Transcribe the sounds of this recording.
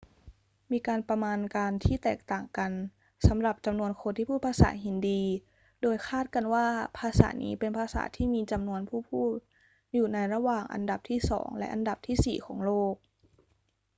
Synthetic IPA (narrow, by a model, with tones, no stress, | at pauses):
miː˧kaː˧npɾa˧maː˧nkaː˧nt̪ʰiː˥˩t̪ɛː˨˩k̚t̪aː˨˩ŋka˧n | sa˨˩˦mɾa˨˩p̚t͡ɕa˧mnu˧ənkʰo˧nt̪ʰiː˥˩pʰuː˥˩pʰaː˧sa̰ː˩˦ɦi˨˩˦ndiː˧ | doː˧jkʰaː˥˩t̪̚ka˧nwaː˥˩pʰaː˧sa̰ː˩˦nḭː˦˥pe˧npʰaː˧sa̰ː˩˦t̪ʰiː˥˩miː˧t͡ɕa˧mnu˧ənpʰuː˥˩pʰuː˥˩t̪̚ | juː˨˩na˧jɾa˧waː˨˩ŋʔa̰˧nda˨˩p̚t̪ʰiː˥˩sɔ̰ː˩˦ŋlɛ̰˦˥ʔa˧nda˨˩p̚t̪ʰiː˥˩sḭː˨˩kʰɔː˩˦ŋloː˥˩k̚